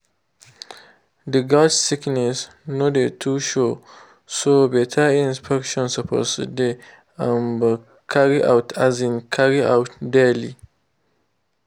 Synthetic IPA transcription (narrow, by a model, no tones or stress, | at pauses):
dəɡadsiknes | nodetʰuʃo | sobɛtʰaĩnspʰɛkʃɔ̃nsəpʰo̰sde | ãnbə | kʰaɾiʔa̰wtʰazĩnkʰaɾia̰wtdeli